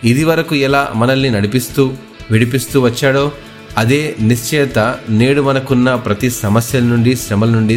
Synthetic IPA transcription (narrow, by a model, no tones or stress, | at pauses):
id̪iʋɐɾɐkuɛla̰ːmɐnɐlːinɐɽipist̪uː | ʋiɽipist̪uːʋɐt͡ʃːaːɽo̞ː | ɐd̪e̞ːniʃt͡ʃɛːt̪ɐne̞ːɽumɐnɐkunːɐpɾɐt̪isɐmɐsjɐlɐnuɳɖisɐmɐlɐnuɳɖi